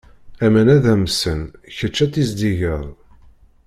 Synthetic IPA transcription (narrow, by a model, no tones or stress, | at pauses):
æmænæðæmsənçət͡ʃːæt͡s̪ːizd̪iʝəðˤ